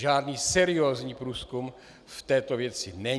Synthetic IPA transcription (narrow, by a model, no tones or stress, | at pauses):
ʒaːdniːsɛɾɪoːzɲiːpɾuːskum | ft̪ɛːt̪ovjɛt͡sɪnɛ